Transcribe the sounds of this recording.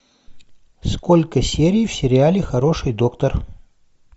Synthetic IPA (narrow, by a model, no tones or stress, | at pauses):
skolʲkəsʲeɾʲijfsʲɪɾʲɪalʲɪxɐɾo̞ʂɨjd̪o̞kt̪ər